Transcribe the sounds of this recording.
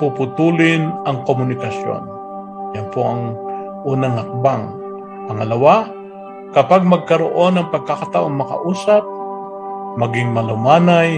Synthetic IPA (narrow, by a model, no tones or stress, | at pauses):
pupʊt̪uːlɪnɐŋkomʊnɪkɐsjo̰n | jɐnpoʔɐŋ | ʔuːnɐŋhɐk̚baŋ | pɐŋɐlɐwa | kɐpaɡ̚mɐɡ̚kɐɾo̰ʔo̞nɐŋpɐɡ̚kakɐt̪aʔoŋmɐkɐ̰ʔuːsap̚ | mɐɡɪŋmɐlʊmaːnaj